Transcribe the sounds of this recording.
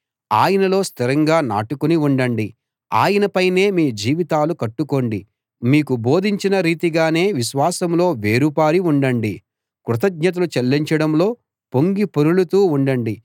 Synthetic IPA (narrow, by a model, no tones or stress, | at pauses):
aːjɐnɐlo̞ːst̪ʰiɾɐŋɡaːna̰ːʈukuniuɳɖɐɳɖi | a̰ːjɐnɐpɐjne̞ːmiːd͡ʒiːʋit̪aːlukɐʈːuko̞ɳɖi | miːkubo̞ːd̪ʱiɲt͡ʃinɐɾiːt̪iɡaːne̞ːʋiʃʋaːsɐmlo̞ːʋe̞ːɾupaːɾiuɳɖɐɳɖi | kɾut̪̬ɐɡɲɐt̪̬ɐlut͡ʃɐlːiɲt͡ʃɐɽɐmlo̞ː | po̞ŋɡipoɾuɭut̪uːuɳɖɐɳɖi